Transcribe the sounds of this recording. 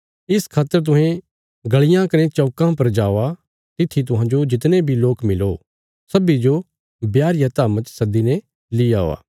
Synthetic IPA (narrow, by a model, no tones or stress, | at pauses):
ɪskʰaːt̪ːəɾt̪̬ʊ̃ɦẽ | ɡɐɭɪjãkɐɾẽt͡ʃɔːkãpɐɾd͡ʒaːa | t̪ɪt̪ʰːit̪̬ʊɦãd͡ʒod͡ʒɪt̪nebʱiloːkmɪlo | sɐbid͡ʒo | bjaːɾɪjat̪aːmət͡ʃsɐd̪inɛ | lɪjaːo̰ːa̰ː